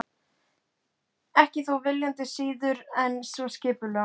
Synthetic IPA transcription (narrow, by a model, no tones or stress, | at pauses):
ɛhcɪθuwvɪljant̪ɪsiːðʏɾɛnsvɔscɪːpʏlɛ